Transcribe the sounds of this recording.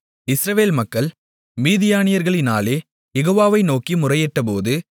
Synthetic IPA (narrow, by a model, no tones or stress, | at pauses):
ɪsɾɐʋeːlmɐkːɐɭ | miːðɪjaːnɪjɐɾɣɐɭɪna̰ːleː | jɛɣoːʋaːʋɐɪnoːkimʊrɐjɛʈːɐp̬oːðɯ